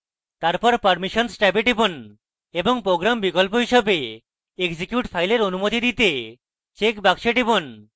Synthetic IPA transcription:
t̪aɾpɔɾpəɾmiʃɔnsʈɛbeʈibon | eboŋpɾoɡɾambikɔlpoɦiʃɔbe | ekd͡ʑikjuʈpʰajleɾonumot̪id̪it̪e | t͡ɕekbakʃeʈibon

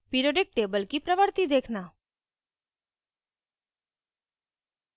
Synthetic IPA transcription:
piɾoɖek̚ʈebəlkipɾəʋəɾt̪id̪ekʰna

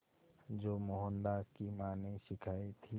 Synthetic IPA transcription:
d͡ʒoːmoɦə̃nd̪aːskimaːneʃɪkʰaːit̪ʰi

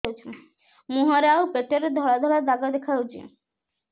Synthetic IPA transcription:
t͡ʃʰi | muɦɔɾawpeʈeɾed̪ʱɔɭad̪ʱɔɭad̪aɡad̪ekʰawt͡ʃʰḭ

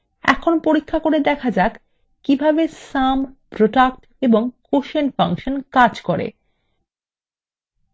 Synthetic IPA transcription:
ɛ̰kʰonpoɾikʰːakoɾed̪ɛkʰad͡ʑak | kibʱabesampɾoʈak̚ʈ | eboŋkoʃenfaŋʃonkad͡ʑkoɾḛ

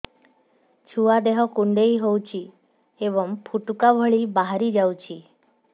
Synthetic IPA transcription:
t͡ʃʰuad̪eɦɔkuɳɖejɦowt͡ʃʰi | ebɔmpʰuʈukabʱɔɭibaɦaɾid͡ʒawt͡ʃʰi

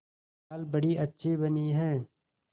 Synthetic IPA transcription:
lbɐɽiʔɐtːʃʰebəniɦɛ̃ː

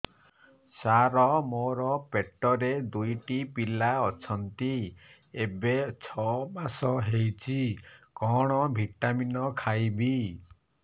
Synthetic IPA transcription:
saɾɔmoɾɔpeʈːɔɾed̪ujʈipilaɔt͡ʃʰɔnt̪i | ebet͡ʃʰɔbasɔɦejt͡ʃʰikɔɽ̃ɔbʱiʈaminɔkʰajbi

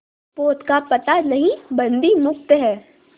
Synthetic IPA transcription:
poːt̪kapɐt̪anɐɦĩbɐ̃nd̪imʊk̚t̪ɦɛː

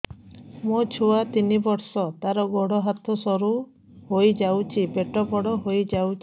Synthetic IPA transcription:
mot͡ʃʰuat̪inibɔɾsɔt̪aɾɔɡɔɽɔɦat̪ʰɔsɔɾu | hojd͡ʒawt͡ʃʰibeʈɔpɔɽɔɦojd͡ʒawt͡ʃʰ

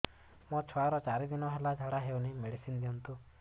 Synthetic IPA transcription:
mɔt͡ʃʰɔaɾɔt͡ʃaɾid̪inɔɦelad͡ʒʱaɽaɦewnimeɽisind̪iɔnt̪u

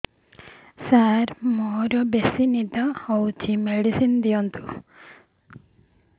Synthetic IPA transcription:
saɾmoːɾobesinid̪aɐwt͡ʃimeɽisind̪ijont̪u

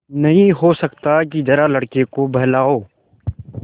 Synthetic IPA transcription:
nɐɦĩɦosɐkt̪akid͡ʒ̪ɐɾalɐɽkekobɐɦlaːoː

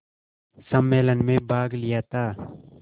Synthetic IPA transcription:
sɐmːeːlənmẽbaːɡlɪjaːt̪aː

